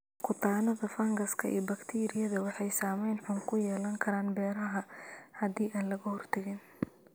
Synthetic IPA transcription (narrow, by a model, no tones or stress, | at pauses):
kʰʊt̪ʰaːnɐðɐfɐŋɡɐskʰɐʔḭːbɐkt̪ʰiːɾɪjɐðɐwɑħɑjsaːmɛjnħʊŋkʰʊjɛːlɐŋkʰɐɾaːnbɛːɾɐɦɐhɐðiːʔaːnlɐɣɐhɔrt̪ʰɐɣɪn